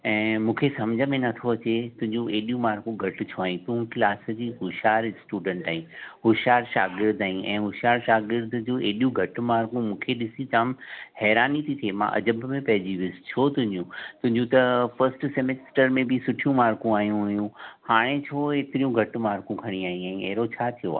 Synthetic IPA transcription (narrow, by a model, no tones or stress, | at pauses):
ɛ̃ːmũːkʰesɐmd͡ʑʱəmẽnɐt̪ʰoɐt͡ɕet̪ʊ̃ɦɪ̃ɲd͡ʑũʔeːɗijũmaːɾkũɡʱɐʈʊ̆t͡ɕʰoaːjĩt̪ʊ̃ɦklaːsd͡ʑiːɦʊʃaːɾsʈuːɖə̃ɳʈaːĩɦʊʃaːɾʃaːɡɪɾd̪aːĩʔɛ̃ːɦʊʃaːɾʃaːɡɪɾd̪ʊd͡ʑũʔeːɗijũɡʱɐʈ̆maːɾkũmũːkʰeɗɪsit͡ɕaːmhɛːɾaːnit̪ʰit̪ʰiemã̰ʔɐ̰d͡ʑəbmẽpɐɦɪd͡ʑiʋiʊsɪ̥t͡ɕʰot̪ʊ̃ɦɪ̃ɲd͡ʑũt̪ʊ̃ɦɪ̃ɲd͡ʑũt̪ɐfɐɾsʈsemesʈəɾmẽbɪsʊʈʰijũmaːɾkũaːɦijũɦjũhaːɽ̃et͡ɕʰoeːt̪ɪɾijũɡʱɐʈʊ̆maːɾkũkʰɐɽ̃iaːɦĩãːĩɛɦɾot͡ɕʰaːt̪ʰijo̰a̰ː